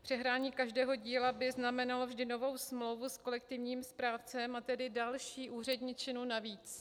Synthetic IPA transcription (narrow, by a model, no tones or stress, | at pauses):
pr̥ɛɦɾaːɲiːkaʒdɛːɦo̞ɟiːlabɪznamɛnalo̞vʒdɪno̞vo̞wsmlowvusko̞lɛkt̪ɪvɲiːmspɾaːft͡sɛmat̪ɛdɪdalʃiːʔuːr̝ɛdɲɪt͡ʃɪnunaviːt͡s